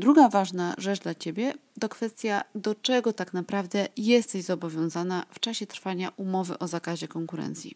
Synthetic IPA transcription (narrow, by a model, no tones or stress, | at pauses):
d̪ɾuɡavaʐnaʐɛt͡ʂd̪lat͡ɕebʲjɛt̪ɔkfɛst̪ʲjad̪ɔt͡ʂɛɡɔt̪aknapɾavd̪ɛjɛst̪ɛʑzɔbɔvʲjɔ̃w̃zanaft͡ʂaɕɛt̪ɾfaɲaʔumɔvɘ̰ʔɔzakaʑɛkɔŋkuɾɛ̰nt̪sʲjḭ